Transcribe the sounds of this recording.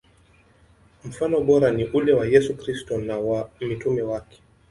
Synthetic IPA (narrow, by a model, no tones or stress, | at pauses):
m̩fanɔɓɔɾaniʔulɛwajɛsukɾistɔnawamitumɛwakɛ̥